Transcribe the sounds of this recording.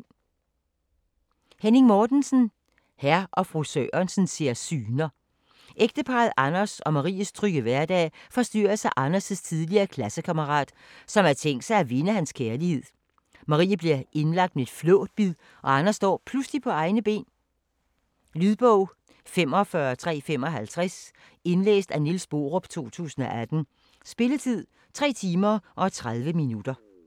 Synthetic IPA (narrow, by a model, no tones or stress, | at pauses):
hene̝ŋmɒːd̥nsn̩ | hæɐʔɒ̽fʁusø̰ɐnsn̩se̝ɐ̰syːnɐ | ʔeɡ̥̚d̥əpʰɑ̈ːðˠʔɑnɐsɒ̽mɑ̈ʁḭːəst͡sʰʁyɡ̥əʋæɐd̥ɛ̰ːfɒ̽sd̥y̰ːɐsɑ̈ʔɑnɐsəst͡sʰið̞ˠliɐːkʰlæsəkʰæməʁɑ̰̈ːd̥ | sɒ̽mæɐt͡sʰeŋ̰ɡ̥d̥sɑ̈ɪæʋe̝nəhænskʰeɐlihe̝ð̞̰ˠ | mɑ̈ʁḭːəb̥liɐʔe̝nlɑ̈ɡ̥̚d̥̚mee̝d̥flɔ̰ːd̥̚b̥ið̰ˠ | ʔɒ̽ɑnɐsd̥ɒ̰ːpʰlusd̥ipʰɒ̽ɑ̈ɪnəb̥e̝̰ːn | lyðˠb̥ɔʊ̰ | fem̰ɒ̽fɶɐt͡sʰʁɛ̰ːfem̰ɒ̽ɦælt͡sʰʁɛs | e̝nlḛːsd̥ænilsb̥o̝̰ːʁɔb̥t͡sʰo̝̰ːt͡sʰṵːsn̩ɒ̽ʔæd̥n̩ | sb̥e̝lət͡sʰið̞̰ˠ | t͡sʰʁɛ̰ːt͡sʰiːmɐʔɒ̽t͡sʰʁɑð̞ˠʋəminud̥ɐ